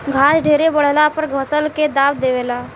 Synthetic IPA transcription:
ɡʱaːʃɖʱeːɾebəɽ̤lapəɾɡʱəsəlked̪aːʋd̪eʋelaː

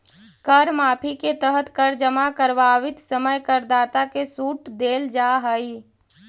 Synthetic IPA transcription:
kəɾmaːpʰiket̪əɦət̪kəɾd͡ʒəmakəɾʋaːʋɪt̪səməjkəɾd̪aːt̪akesuːʈd̪eːld͡ʒaːɦəi

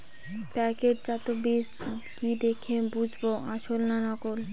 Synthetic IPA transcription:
pɛkeɾd͡ʑat̪obiskid̪ekʰebud͡ʑʱboʔaʃolnanɔkol

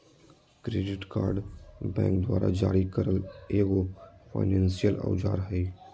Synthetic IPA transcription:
kɾeːɖɪʈkaːɾɖbɛ̰̃ːŋkd̪waːɾa̰d͡ʒaːɾikəɾəleːɡopʰa̰ːɪnɛ̃ːnsijəla̰wd͡ʒa̰ːɾɦɛ

